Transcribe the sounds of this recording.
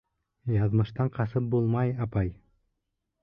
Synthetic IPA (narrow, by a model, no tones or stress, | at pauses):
jɑðmɤ̆ʃt̪ɑɴqɑsɤp̚bulˠmɑjɑpɑj